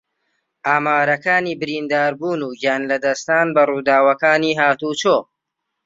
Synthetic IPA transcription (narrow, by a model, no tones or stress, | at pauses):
ʔaːmaːɾɐkaːniːbɪɾiːnd̪aːɾbuːnuːɡjaːnlɐd̪ɐst̪aːnbɐruːd̪aːwɐkaːniːɦaːt̪ut͡ʃoː